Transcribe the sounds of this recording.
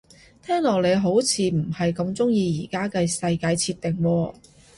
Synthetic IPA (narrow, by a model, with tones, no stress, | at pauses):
t̪ʰɛː˥ŋlɔː˨˩k̚le˨˧jɦo˨˥wt͡sʰiː˨˧m̩˨˩hɐ˨jkɐ˧mt͡sʊ˥ŋjiː˧jiː˨˩kaː˥kɐ˧jsɐ˧jkaː˧jt͡sʰiː˧t̪̚ɪ˨˩ŋwɔː˧